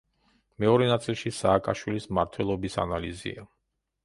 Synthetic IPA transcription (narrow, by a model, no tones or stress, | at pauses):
mɛɔɾɛnat̪sʼilˠʃisaːkʼaʃwilismaɾt̪ʰwɛlˠɔbisa̰nalizḭa